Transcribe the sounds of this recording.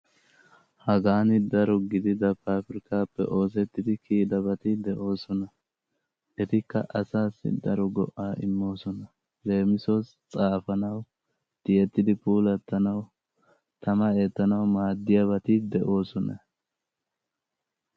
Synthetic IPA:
hɐɡaːnɪd̪ɐɾɔɡɪd̪ɪd̪ɐpaːfɪɾɪkaːpːɛ̰ʔo̞ːs̬ɛt̪ːɪd̪ɪkiːd̪ɐbɐt̪ɪd̪ɛʔo̞ːsɔnɐ | ʔɛt̪ɪkːɐ̰ʔɐsaːsːɪ̰d̪ɐɾɔɡɔ̰ʔaːʔɪ̰mːo̞ːsɔnɐ | le̞ːmɪsos | t͡sʼaːfɐnɐw | d̪̥ɪjɛt̪ːɪd̪ɪpuːlɐt̪ːɐnɐw | t̪ʰɐmɐe̞ːt̪ːɐnɐwmaːd̪ːɪjabɐt̪ɪd̪ɛʔo̞ːsɔnɐ̰

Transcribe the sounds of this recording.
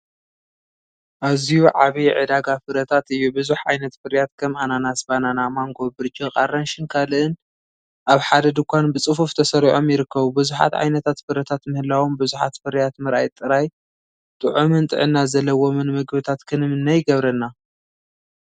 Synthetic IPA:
ʔaβzijuʕaβijʕɨ̰d̪aɡafɨɾɐt̪ʰat̪ɨjːubɨzuħʕa̰jnɐt̪fɨɾijat̪kʰɐmʔananasbananamaŋɡo̞bɨɾt͡ʃʼiqʼaɾɐnʃɪnkʰalɨʔɨn | ʔaβħad̪ɐd̪ɨkʷʰanbɨt͡sʼɨfuft̪ʰɐsɐɾiʕo̞mjɪɾɨkːɐβubɨzuħa̰t̪ʕa̰jnɐt̪ʰat̪fɨɾɐt̪ʰat̪mɨhɨlawombɨzuħa̰t̪fɨɾijat̪mɨɾʔa̰jt̪ʼːɨɾaj | t̪ʼɨʕumɨnt̪ʼɨ̰ʕɨnːazɐlːɐwomɨnmɨɡbɨt̪ʰat̪kʰɨnɨmɨnːajɪɡɐβɾɐnːa

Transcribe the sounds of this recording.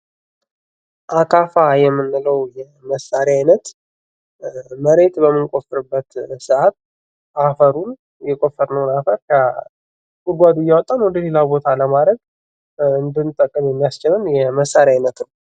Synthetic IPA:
ʔakʰafajɛmːɨnːɨləwjɛ | məsːaɾjajnət̪ | məɾe̞t̪bəmːɨnkʼo̞fɨɾɨbːət̪sɨat̪ | ʔafəɾun | jɛkʷʼo̞fːəɾnəwnafəɾkʰə | ɡʼuɾɡʷad̪ujːawɔt̪ʼanwɔd̪əle̞labo̞t̪ʰaləmad̪ɾəɡ | ɨnd̪ɨnt̪ʼːəkʼːɨmjɛmːijast͡ʃɪlɨnjɛməsːaɾjajnət̪nəw

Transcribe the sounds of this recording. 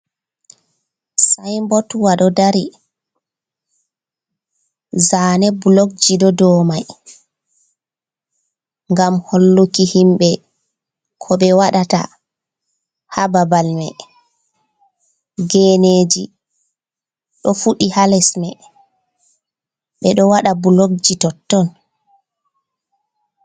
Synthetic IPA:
sajmbɔtuwaɗɔdaɾi | zaːnɛbulok̚d͡ʒiɗɔdɔːmaj | ŋɡamholːukihimbɛ | kʰɔɓɛwaɗata̰ | hababalmɛ̰ | ɡeːneːd͡ʒi | ɗɔfuɗihalɛsmɛ | ɓɛɗɔwaɗabulok̚d͡ʒitɔtːɔn

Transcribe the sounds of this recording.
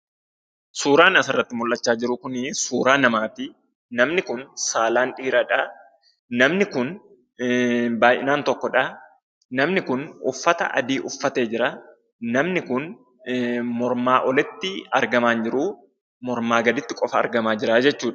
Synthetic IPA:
suːɾaːnɐsɐrːɐt̪ːɪmʊlʔːɐt͡ʃːaːd͡ʒɪɾʊkʊnɪsuːɾaːnɐmaːfɪ | nɐmnɪkʊnsaːlaːnᶑiːɾɐᶑɐ | nɐmnɪkʊn | baːjɪ̰naːnt̪ɔkːɔᶑɐ | nɐmnɪkʊnʊ̰fːɐt̪ɐ̰ʔɐ̰d̪iːʔʊfːɐt̪e̞ːd͡ʒɪɾɐ | nɐmnɪkʊn | mɔɾmaːʔɔlɛt̪ːɪɐɾɡɐmaːnd͡ʒɪɾuː | mɔɾmaːɡɐd̪ɪt̪ːɪkʼɔfɐɐ̰ɾɡɐmaːd͡ʒɪɾad͡ʒɛt͡ʃːuːᶑɐ̥

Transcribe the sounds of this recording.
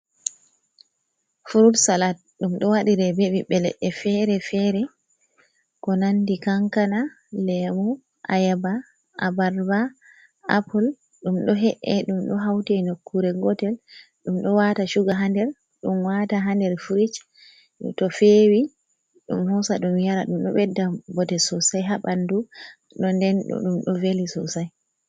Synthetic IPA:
fuɾudsalat̚ | ɗumɗɔwaɗiɾɛbevibɛlɛ̰ʔːɛfɛɾɛfɛɾɛ | kɔnandikaŋkana | lɛmu | ʔa̰jaba | a̰baɾba | ʔapɔl | ɗumɗɔɦɛʔɛɗumɗɔɦawtɛnokːuɾɛɡɔtɛl | ɗumɗɔwataʃuɡaɦandɛɾ | ɗumwataɦandɛɾfuɾit͡ʃ | tɔfeːwi | ɗṵmhɔsaɗumjaɾaɗumɗɔ̰ɓɛdːabɔtɛsɔsajɦaɓandu | ɗɔndɛnɗɔ̰ɗumɗɔvelisɔsaj

